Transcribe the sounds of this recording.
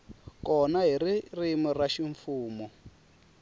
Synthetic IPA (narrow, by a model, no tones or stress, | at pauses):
kɔnaɦiririmiraʃiɱfuːmɔ